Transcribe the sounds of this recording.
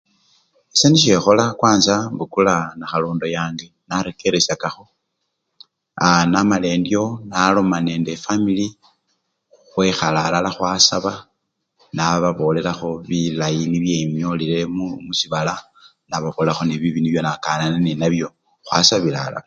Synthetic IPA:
eseniʃe̞xo̞lakwaːnsambukulanaxaloːndo̞jaːŋɡenaɾeke̞ɾesakaxo̞ | anamale̞ːndjo̞nalo̞mane̞ːnde̞famili | uxwexalalalaxwasaβa | naβaβo̞le̞laxo̞βilajiniβje̞mjo̞lile̞mumusiβala | naβaβolaxo̞niβiβiniβjo̞nakananeninaβjo̞ | xwa̰saβila̰la̰

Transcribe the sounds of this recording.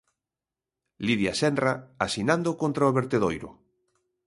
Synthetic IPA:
liðjasɛndraasinãnd̪okõnt̪ɾaoβeɾt̪eðojɾʊ̰

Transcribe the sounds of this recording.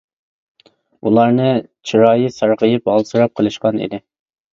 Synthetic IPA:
ulˠɑɾnɨt͡ʃʰiɾɑːjɨsɑɾʁəjɨpɑlˠsɨɾɑp̚qʰəlˠɨʃqɑnḭd̪ɪ

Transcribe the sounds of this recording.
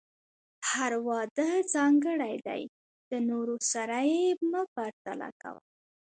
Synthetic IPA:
haɾwɑd̪əd͡zɑŋɡəɽajd̪a̰j | d̪̥ənoɾosaɾajeməpaɾt̪a̰la̰ka̰wə̰l

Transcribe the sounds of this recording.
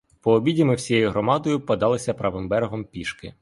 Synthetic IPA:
pɔːbʲidʲimɪwsʲijejʊɦɾɔmɑd̪ɔjʊpɐd̪ɑlˠɪsʲɐpɾɐʋɪmbɛɾɦɔmpʲiʃkɪ̰

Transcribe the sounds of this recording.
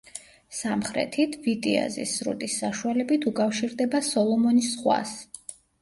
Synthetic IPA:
samχɾɛ̰t̪ʰit̪ʰvit̪ʼia̰zḭsːɾṵt̪ʼisːaʃualɛbit̪ʰukʼafʃiɾd̪ɛbasɔlˠɔmɔnisχwa̰s

